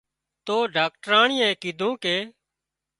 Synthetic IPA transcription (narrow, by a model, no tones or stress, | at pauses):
t̪oːɖaːk̚ʈɾaːɳɪjɛ̃ːkɪd̪ʱũːkeː